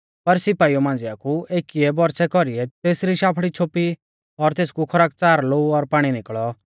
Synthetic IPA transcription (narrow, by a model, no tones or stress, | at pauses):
pɐɾsɪpaːiɔmãːn̆d͡zɪjakueːkiɛbɔɾsɛkɔɾiɛt̪eːsɾiʃaːpʰɽit͡ʃʰoːpi | ɔɾt̪eːskukʰɐɾaːk̚t͡saːɾloːuɔɾpaːɽ̃inɪkɭɔ